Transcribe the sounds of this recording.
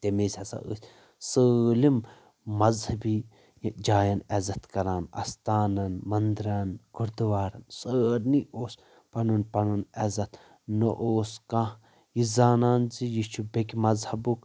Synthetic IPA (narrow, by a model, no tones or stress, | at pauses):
t̪emesʲɐsa̰əsʲ | səːlimː | ɐzhɐbi | jd͡ʒaːjɐnɛzɐt̪kɐɾaːnɐ̰st̪aːnɐnmɐnd̪ɾanɡuɾd̪uʋaːɾɐnsəːɾniʔoːs | pɐnunpɐnɐnɛzɐt̪ | nəʔoːskã | jizaːnaːnzijit͡ʃʰubekʲmɐzhɐbuk